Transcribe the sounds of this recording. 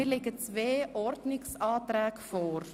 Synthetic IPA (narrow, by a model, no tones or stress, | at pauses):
ɪːɾlɪɡət͡sʋeːʔɔɾdnɪksɑːt̪ɾɛːkfɔɾ